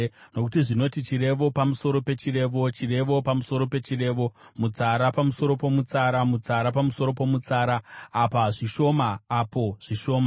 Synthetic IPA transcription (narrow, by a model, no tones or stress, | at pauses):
no̞kutiʐino̞tit͡ʃiɾe̞ʋo̞pamuso̞ɾo̞pe̞t͡ʃire̞ːʋo̞t͡ʃire̞ʋo̞pamuso̞ɾo̞pe̞t͡ʃire̞ːʋo̞ | mut͡saɾapamuso̞ɾo̞po̞mut͡saːɾamut͡saɾapamuso̞ɾo̞po̞mut͡saːɾaːpaʐiʃo̞maːpo̞ʐ̥iʃo̞ːma